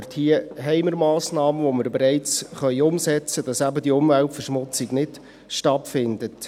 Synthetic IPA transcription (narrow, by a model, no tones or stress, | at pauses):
rthiəɦɛɪməɾmɑːsnɑːməvoməɾbeɾɛɪt͡sχœʏʊmsɛt͡səd̥ɑsæbədiʊmvæltfərʃmʊt͡siɡnɪd̥ | ʃtɑtfɪndət